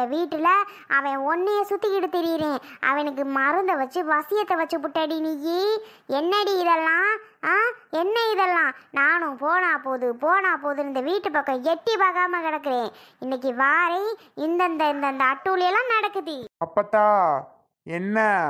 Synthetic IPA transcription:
ɐʋiːʈːɯlɐ | ʔɐʋɐ̃ɔnːeːsʊt̪ːɪkːɪɽɯt̪ːɪɾɪːɾẽːʔɐ̰ʋɐ̃ɛnɐk̬ːɯmɐɾɯnd̪ɐʋɐt͡ʃːɯʋɐsɪjɐt̪ːɐʋɐt͡ʃːɯpʊʈːɐɽinɪjiɛnːɐɽiɪðɛlːãːaːɛnːɐɪðɛlːãːnaːnʊ̃poːnãːpoːðɯpoːnãːpoːðɯɪnd̪ɐʋiːʈːɯpɐkːɐ̃jɛʈːipaːɣaːmɐkɪɽɐk̬ːɯɾẽː | ɪnːɐk̬ːiʋaːɾɐɪ | ɪnd̪ɐnd̪ɐɪnd̪ɐnd̪ɐːʈːuːlɪjɐlːãːnɐɽɐkːɯðiɐpːɐt̪ːãː | ɛnːɐ

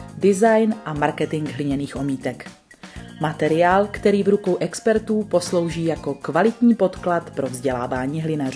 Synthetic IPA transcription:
dɪzajnʔamaɾkɛt̪ɪŋɡɦlɪɲɛniːxʔo̞miːt̪ɛk | mat̪ɛɾɪaːlkt̪ɛɾiːvɾukowʔɛkspɛɾt̪uːpo̞slo̞wʒiːjako̞kvalɪt̪ɲiːpo̞t̪klat̪pɾo̞vzɟɛlaːvaːɲiːɦlɪnaru

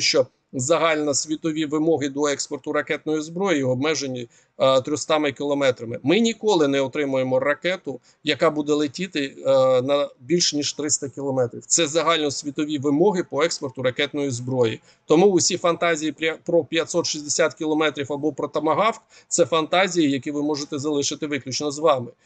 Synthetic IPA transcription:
ʃt͡ʃɔ | zɐɦɑlʲnɐsʲʋʲit̪ɔʋʲiʋɪmɔɦɪd̪ɔɛkspɔrt̪ʊɾɐkɛt̪nɔjizbɾɔjjiɔb̚mɛʒenʲːi | t̪ɾʲɔst̪ɑmɪkʲiɪlˠɔmɛt̪ɾɐmɪmɪnʲikɔlˠɪnɛɔt̪ɾɪmʊjemɔrɐkɛt̪ʊ | jɐkɑbud̪ɛlˠetʲit̪ɪnɐbʲilʲʃnʲiʃt̪ɾɪst̪ɐkʲilˠɔmɛt̪ɾʲiwt̪sɛzɐɦɑlʲnɔsʲʋʲit̪ɔʋʲiʋɪmɔɦɪpɔɛkspɔrt̪ʊɾɐkɛt̪nɔjizbɾɔji | t̪ɔmuʊsʲifɐnt̪ɑzʲijipɾʲpɾɔpʲjɐt̪ʲsɔt̪ʃizʲd̪esʲat̪kʲilˠɔmɛt̪ɾʲiwɐbɔpɾɔt̪ɐmɐɦɑwk | t̪sɛfɐnt̪ɑzʲijijɐkʲiʋɪmɔʒet̪ɛzɐlˠɪʃɪt̪ɪʋɪklʲut͡ʃnɔzʋɑmɪ

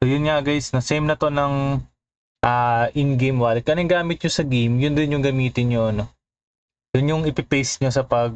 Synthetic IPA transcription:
sojʊnŋɐʔɐɡajsnosɛjmnɐt̪o̞nɐŋ | ʔɐːʔɪnɡejmwaːlɪd̪̚kɐnɐŋɡaːmɪt̪̚ɲosɐɡijmjʊnd̪ɪnjʊŋɡɐmiːt̪ɪnɲoʔɐno̞ | jʊnjʊŋɪpɪpɛjsɲosɐpɐɡ̚

